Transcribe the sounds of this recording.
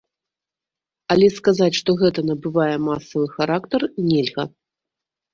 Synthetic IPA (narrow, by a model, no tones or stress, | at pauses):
ɐlʲɛskazat͡sʲʂt̪ɔɣɛt̪ɐnɐbɨvajɛmasɐvɨxaɾakt̪ɐrnʲɛlʲɣɐ